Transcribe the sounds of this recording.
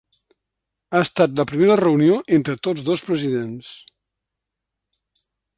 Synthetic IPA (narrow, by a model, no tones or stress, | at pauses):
aəst̪at̪ləpɾimeɾərəunioʔent̪ɾət̪od͡zðospɾəziðens